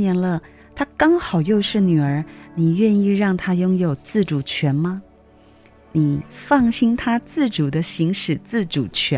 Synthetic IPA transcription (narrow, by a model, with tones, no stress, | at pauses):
jɛ˧˥nlə˧ | t̪ʰa˥kɑ˥ŋxɑ˨˩ʊjo˥˧ʊʂɻ̩˥˩ny˨˩ə˞˧˥ni˨˩ɥɛ˥˧ni˥˧ɻɑ˥˩ŋt̪ʰa˥jʊ˥ŋjo˨˩ʊt͡sɹ̩˥˩ʈ͡ʂu˨˩t͡ɕʰɥɛ˧˥nmɐ˧ | ni˨˩fɑ˥˩ŋɕi˥nt̪ʰa˥t͡sɹ̩˥˩ʈ͡ʂu˨˩d̪ə˦ɕi˧˥ŋʂɻ̩˨˩t͡sɹ̩˥˩ʈ͡ʂu˨˩t͡ɕʰɥɛ˧˥